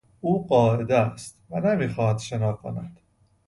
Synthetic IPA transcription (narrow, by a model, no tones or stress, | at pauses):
uːɢɒːʔe̞d̪est̪vænemiːxɒːhæd̪ʃenɒːkʰonæd̪̥